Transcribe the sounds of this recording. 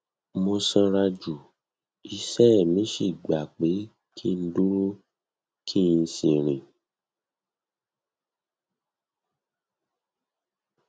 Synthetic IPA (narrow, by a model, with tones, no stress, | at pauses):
mo˧sã˧ɾa˧d͡ʒu˨ | i˧sɛ˦˨mĩ˨˦ʃi˦˨ɡ͡ba˨k͡pe˨˦ | kʰi˦˨˧n̩˦du˦ɾu˦ | kʰi˦˨ĩ˧sĩ˨ɾ̃ĩ˨